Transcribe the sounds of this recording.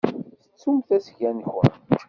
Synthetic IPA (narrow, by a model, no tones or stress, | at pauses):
θə̥t͡sːumθæsʝænçɾ